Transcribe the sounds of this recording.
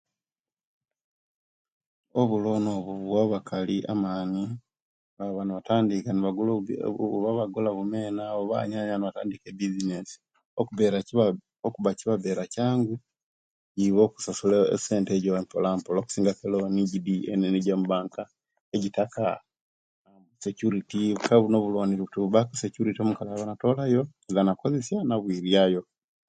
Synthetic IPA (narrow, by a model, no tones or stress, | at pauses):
oβulo̞noβuβwaβakʰaliʔa̰maːni | βaβanuβataːndikaniβaɡuluβaβaɡulaβumeːnaoβa̰ɲaɲaβanaβata̰ːndikebizinesi̥ | okuβeɾa | okuβaciβaβe̞ːɾacaːŋɡu | ɟiβo̞ku̥sasula̰seːnteɟoempolaːmpoloku̥siːŋɡakeloniɟidiḛneniɟamuβaːŋka | eɟitaka | βusecuɾitiβukaβuno̞βulwaːniɾiβutiβuβakusecuɾitiomukalaβanato̞lajo̞elanakozesjanaβwiɾjajo̞